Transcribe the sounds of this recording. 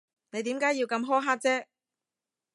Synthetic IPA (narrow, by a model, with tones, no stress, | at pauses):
ne˨˧jt̪iː˨˥mkaː˨˥jiː˧wkɐ˧mɦɔː˥ɦaː˥k̚t͡sɛː˥